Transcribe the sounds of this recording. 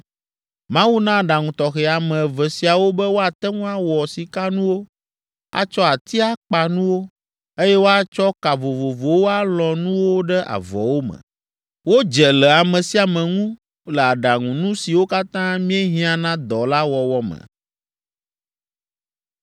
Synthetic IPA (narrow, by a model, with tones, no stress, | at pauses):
mã˦wu˦nã˦˨ɖa˨ŋũ˨t̪ɔ˨xɛ˨a˨mɛ̃˨vɛ˨si˨a˨wo˦bɛ˦wo˦a˨t̪ɛ˦ŋũ˦a˦wɔ˨si˨ka˦nũ˦wo˦ | a̰˦t͡ʃɔ˦a˨t̪i˦a˦k͡pa˨nũ˦wo˦ | e˦jɛ˦wo˦a˦t͡ʃɔ˦ka˨vo˨vo˨vo˨wo˦a˦lɔ̃˨nũ˦wo˦ɖɛ˦ʔa̰˨vɔ̰˨wo˦mɛ̰̃˨ | wo˦d͡ʒɛ˨lɛ˨a˨mɛ̃˨si˨a˨mɛ̃˨ŋũ˦ | lɛ˨a˨ɖa˨ŋũ˨nũ˦si˨wo˦ka˦t̪ã˦mĩ˦e˦ɦĩ˦a˨nã˦d̪ɔ˨la˦wɔ˨wɔ˦mɛ̰̃˨